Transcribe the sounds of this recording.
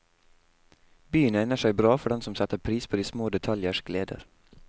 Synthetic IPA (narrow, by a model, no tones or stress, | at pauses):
byːənɛnəʃæɪbɾɑːfɔɖɛnsɔmsɛt̪əpʰɾiːspʰoːd̪iːsmoːd̪ɛt̪ʰɑljəʃɡleːd̪ə̰ɾ